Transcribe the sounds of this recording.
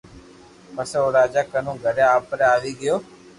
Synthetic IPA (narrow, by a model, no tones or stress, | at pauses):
pəsoːɾaːd͡ʒaːkənũːɡʱəɾjãːpɾẽaːʋiːɡɪjoː